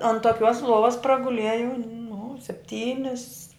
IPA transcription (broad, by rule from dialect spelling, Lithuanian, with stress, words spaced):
ɐn toːˈkʲuɔs ˈlˠuɔʋɐs prɐɡʊˈlʲiɛjɛʊ nʊ sʲɛpʲˈtʲiːnʲɪs